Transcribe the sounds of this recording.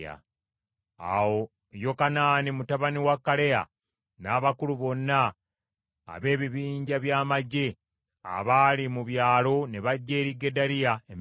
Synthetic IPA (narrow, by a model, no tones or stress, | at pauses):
a̰ | a̰wo̞ | jo̞kanaːnimutaβaniwakːale̞ja̰ | naːβakuluβo̞nːa̰ː | βe̞ːβiβiːɲɟaβjaːmaɟːe̞ | a̰βaːlimuβjaːlo̞ne̞βaɟːe̞ːɾiɡːe̞daɾijaem